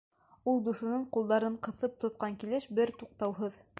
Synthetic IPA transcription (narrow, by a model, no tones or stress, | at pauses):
ulˠd̪uθɤ̆nɤɴqulˠd̪ɑɾɤɴqɤ̆θɤp̚t̪ŏt̪̚qɑŋkilɘʃbɘɾt̪uq̚t̪ɑwɦɤð